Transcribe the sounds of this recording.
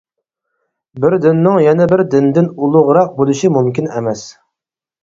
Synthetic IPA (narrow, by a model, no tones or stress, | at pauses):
bɪɾd̪ɪnːɪŋjɛnɛbɪɾd̪ɪnd̪ɪnulˠʊʁɾɑq̚bolˠuʃimumkʲinɛmɛs